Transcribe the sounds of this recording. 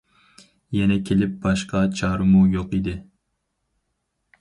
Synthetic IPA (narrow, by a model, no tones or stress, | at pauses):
jɛnɛkʲʰelɪp̚bɑʃqɑt͡ʃʰɑːɾɨmujoqid̪ɪ